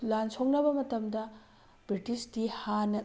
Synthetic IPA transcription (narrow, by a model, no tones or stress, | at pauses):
lansok̚nɐbɐmɐtɐmdɐ | bɾitisdihanɐ